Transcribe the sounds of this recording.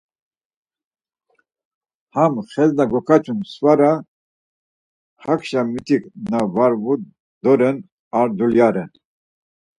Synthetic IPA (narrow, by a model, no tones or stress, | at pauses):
hamχɛznaɡɔkʰat͡ʃʰʼunsvaɾa | hakʰʃamit̪ʰikʼnavaɾvu | d̪ɔɾɛn | aɾd̪uljaɾɛn